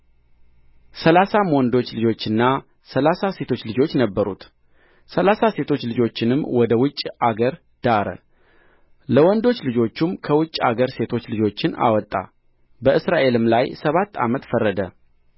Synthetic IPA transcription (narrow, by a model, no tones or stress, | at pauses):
səlasamwɔnd̪o̞t͡ʃːlɨd͡ʒo̞t͡ʃːɨnːa | səlasase̞t̪ʰo̞t͡ʃːlɨd͡ʒo̞t͡ʃːnəbːəɾṵt̪ | səlasase̞t̪ʰo̞t͡ʃːlɨd͡ʒo̞t͡ʃːɪnɨmːwɔd̪əwʊt͡ʃʼːaɡəɾ | d̪̥aɾə̰ | ləwɔnd̪o̞t͡ʃːlɨd͡ʒo̞t͡ʃːumkʰəwʊt͡ʃʼːa̰ɡəɾse̞t̪ʰo̞t͡ʃːlɨd͡ʒo̞t͡ʃːɪna̰wɔt̪ʼːa̰ | bəɨsɾaʔe̞lɨmlajsəβat̪ʰːa̰mət̪fərːəd̪ə